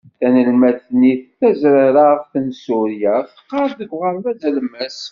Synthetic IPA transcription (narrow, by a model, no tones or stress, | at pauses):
θænəlmæθniθæzɾaɾafθənsuɾjaθə̥qːɑɾˤðəɡʷʁəɾmæzælmæs